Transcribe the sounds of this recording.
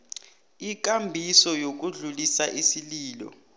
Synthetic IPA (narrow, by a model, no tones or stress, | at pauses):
ik̬ʼambʱisɔjok̬uɮulisaʔisiliːlɔ̰